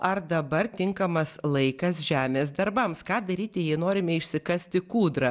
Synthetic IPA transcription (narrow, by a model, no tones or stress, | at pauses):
ɐrd̪ɐbɐrt̪ʲɪŋkɐmɐslˠɐɪkɐsʒʲæːmʲeːsd̪ɐɾbɐmskɑːd̪ɐɾʲiːt̪ʲɪjɛɪnoːɾʲɪmʲɛɪʃʲsʲɪkɐsʲt̪ʲɪkuːd̪ɾɐ